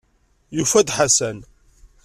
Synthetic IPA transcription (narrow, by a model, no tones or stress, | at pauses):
jufæd̪ħasæn